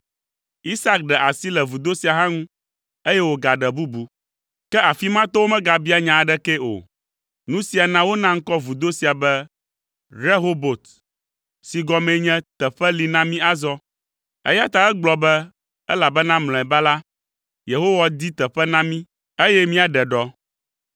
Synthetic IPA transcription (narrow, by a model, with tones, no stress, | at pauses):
i˦sa˦k̚ɖɛ˨ʔa˨si˦lɛ˨vu˨d̪o˦si˨a˨ɦã˦ŋũ˦ | e˦jɛ˦wo˨ɡa˨ɖɛ˨bu˦bu˨ | kɛ˦a˨fi˦mã˦t̪ɔ˦wo˦mɛ̃˦ɡa˨bi˦a˨ɲã˨ɖɛ˦kɛ˦o̰˨ | nũ˦si˨a˨nã˦wo˦nã˦ŋ̩˦kɔ˦vu˨d̪o˦si˨a˨bɛ˦ | ɾe˦ɦo˦bo˨t̪ | si˨ɡɔ˨mɛ̃˨˦ɲɛ̃˦t̪ɛ˨ɸɛ˦li˨nã˦mĩ˦a˨zɔ˦ | ɛ̰˦ja˦t̪a˨ɛ˦ɡ͡blɔ˨bɛ˦ | ɛ˦la˨bɛ˦nã˦ml̃ɔ̃˨ɛ˨ba˦la˦ | je˨ɦo˦wa˨d̪i˦t̪ɛ˨ɸɛ˦nã˦mĩ˦ | e˦jɛ˦mĩ˦a˨ɖɛ˨ɖɔ˦